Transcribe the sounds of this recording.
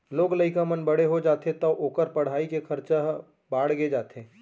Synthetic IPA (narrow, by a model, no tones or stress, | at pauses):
loːɡləɪkamənbɐɽ̤eɦod͡ʒaːt̪et̪ɐʔoːkəɾpɐɽ̤aːikekʰɐɾt͡ʃaɦ | baːɽ̤ɡed͡ʒaːt̪eː